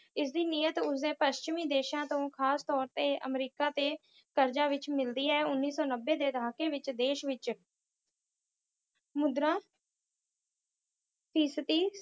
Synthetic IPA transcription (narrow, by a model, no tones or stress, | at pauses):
ɪs̬d̪iːniːət̪ʊsd̪eːpəʃt͡ʃmiːd̪eːʃãːt̪õːkʰaːst̪ɔːɾt̪eːʔə̰mɾiːkaːt̪eː | kəɾd͡ʒaːʋɪt͡ʃmɪld̪iːɛːʊnːiːsɔːnəbːeːd̪eːd̪əɦaːkeːʋɪt͡ʃd̪eːʃʋɪt͡ʃ | mʊd̪ɾãː | t̪iːsət̪iː